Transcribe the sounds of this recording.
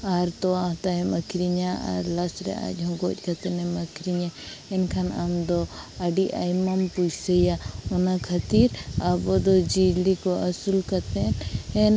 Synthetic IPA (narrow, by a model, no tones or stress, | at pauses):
aɾt̪ɔwaɦt̪aɦɛməkʰɾiɲaa̰ɾlasɾɛ̰a̰c̚ɦɔ̃ɡɔc̚ˀkat̪ɛnɛməkʰɾiɲaɛnkʰanamd̪ɔaɖiʔa̰jmampujsəjaɔnakʰat̪iɾabɔd̪ɔd͡ʒid͡ʒlikɔʔasulkat̪ɛnɛn